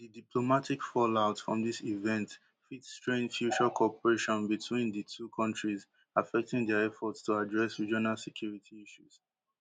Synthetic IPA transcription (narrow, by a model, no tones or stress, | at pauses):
didiplomatʰikfɔlaʊtfɹɔ̃mðisivɛ̃nt | fitstɹẽnfjut͡ʃakʰɔpəɹeʃɔ̃nbitʰwĩnðətʰukʰɔ̃ntɹiz | afɛk̚tĩŋdɛəɛfɔtstuadɹɛsɹid͡ʒɔnalsɛkʰj̥uɹitʰiiʃuz̥